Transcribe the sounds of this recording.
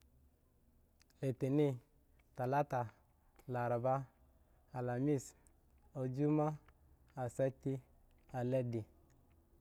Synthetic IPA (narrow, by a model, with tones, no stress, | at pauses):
le˨te˨ni˦ | ta˨la˦ta˨ | la˨ɾa˨baː˦˨ | la˨mi˦˨s | o˨d͡ʒu˦ma˦ | a˨sa˦ti˦ | a˨lɛ˦di˨